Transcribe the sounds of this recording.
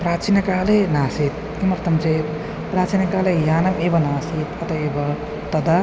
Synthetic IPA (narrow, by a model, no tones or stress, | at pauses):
pɾaːt͡ʃinjɐkaːlenaːsit̪̚ | kimɐɾt̪ʰɐmt͡ʃʰe | pɾaːt͡ʃinɐkaːlejaːnɐmeːbɐnaːsit̪ɐt̪ɐeːbɐ | t̪ɐd̪a